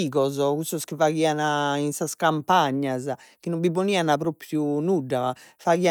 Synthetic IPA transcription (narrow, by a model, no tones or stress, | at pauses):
iːɣɔzɔkust̪ɔskivaɣiːanainsaskampaɲːaz | k̟inːomviponianapɾopɾjunuɖːa | faɣia